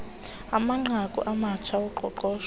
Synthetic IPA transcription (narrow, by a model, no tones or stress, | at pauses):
amaŋ͡ǃʱakʼṵʔamat͡ʃʰaɔǃʱɔ̰ǃɔːʃ